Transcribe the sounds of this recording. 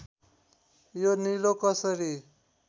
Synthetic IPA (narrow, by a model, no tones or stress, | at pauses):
jonilokʌsʌɾi